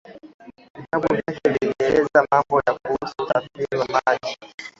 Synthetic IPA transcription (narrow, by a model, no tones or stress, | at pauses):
ihaɓuvakɛviŋɛlɛzamambɔjak̚uusu̥tafiwamaʄi